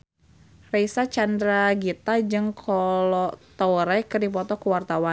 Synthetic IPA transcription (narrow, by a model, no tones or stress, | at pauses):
reisat͡ʃandɾaɡit̪ad͡ʒɨŋkʰɔlɔt̪ɔɾɛkɨrdipɔt̪ɔkuwart̪awa